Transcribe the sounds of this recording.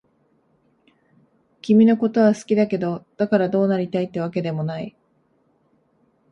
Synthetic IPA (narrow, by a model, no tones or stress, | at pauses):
kʲimʲino̞ko̞t̪o̞β̞asɨ̥kʲid̪ake̞d̪o̞d̪̥akaɾad̪o̞ːnaɾʲit̪ait̪ːe̞βake̞d̪e̞mo̞nai